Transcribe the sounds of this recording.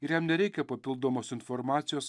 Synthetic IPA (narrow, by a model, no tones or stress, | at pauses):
ɪɾjɛmnʲɛɾʲɛɪkʲɛpɐpʲɪlˠd̪oːmoːsɪnfɔɾmɑːt̪sʲɪjoːs